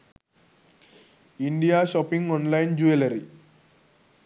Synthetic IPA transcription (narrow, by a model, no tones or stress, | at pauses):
iɳɖijaːʃɔpiŋɡɔnlajnd͡ʒuelɐɾi